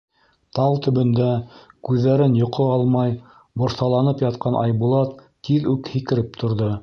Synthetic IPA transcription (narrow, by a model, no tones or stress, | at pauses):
t̪ɑwˠt̪ɵ̆βɵ̆nd̪ækʉðːæɾɘnjŏqʰoɑlˠmɑj | bŏɾsɑlˠɑnɤpjɑt̪̚qʰɑnʔɑ̰jbulˠɑt̪ːiðʉkhikɘ̆ɾɘpt̪ʰŏɾðo